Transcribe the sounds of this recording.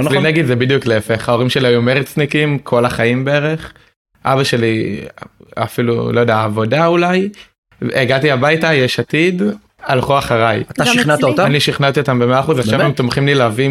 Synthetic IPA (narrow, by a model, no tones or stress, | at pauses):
linaɡid̪zebid̪jukleefeχhao̞ʁimʃe̞liajumeʁit͡snikimkʰolaχaimbeeʁe̞χ | ʔa̰baʃe̞li | a̰filṵlojod̪eaːvo̞daulaj | eɡatiabajtajeʃatid | alχuaχaʁajat̪aʃiχnat̪aot̪aaniʃiχnat̪iot̪ambemeaːχuzaχʃavvemt̪omχimlilavi